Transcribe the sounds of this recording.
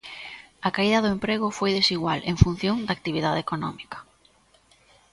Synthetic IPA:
ɐkaiðɐðʊempɾeɣ̞ʊfojðesiɣwalḛŋfun̟θjoŋd̪ak̚t̪iβ̞iðaðekonɔ̰mikɐ̥

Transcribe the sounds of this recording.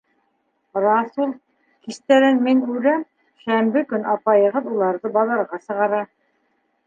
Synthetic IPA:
rɑsulˠ | kist̪æɾɘnminʉɾæm | ʃæmbɘkɵnɑpɑjɤ̆ʁɤðulˠɑɾðɤbɑðɑɾʁɑsɤ̆ʁɑɾɑ

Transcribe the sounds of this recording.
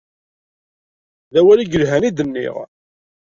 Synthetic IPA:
ðæwæliɡəlɦænid̪ənːḭʁ

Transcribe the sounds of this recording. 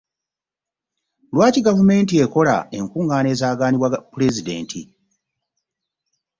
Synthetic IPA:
lwaːciɡavume̞ːntie̞ko̞la̰e̞ŋkuːŋɡaːne̞ːzaːɡaːniβwapule̞zide̞̰ːntʰḭ

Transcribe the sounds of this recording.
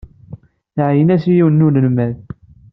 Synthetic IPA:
θʕjənæsijiwənːunəlmæð

